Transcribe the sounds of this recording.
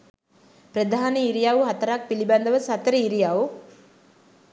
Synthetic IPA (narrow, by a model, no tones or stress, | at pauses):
pɾəd̪ʱaːneiɾijaʋuɦat̪əɾak̚piliband̪əʋəsat̪əɾəiɾijaʋu